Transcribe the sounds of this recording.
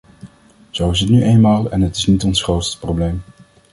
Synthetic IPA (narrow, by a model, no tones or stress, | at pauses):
z̥owɪs̬ɦətnyʔejnmaːlˠɛnɦətɪ̥snitɔnsχrowtstə̥prowblejm